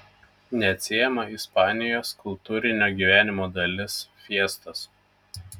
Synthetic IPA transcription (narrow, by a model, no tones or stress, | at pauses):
nʲɛɐt̪ʲsʲeːjɛmɐɪspɑːnʲɪjoːskʊlˠt̪uːɾʲɪnʲoːɡʲiːʋʲæːnʲɪmoːd̪ɐlʲɪsfʲiɛst̪ɐs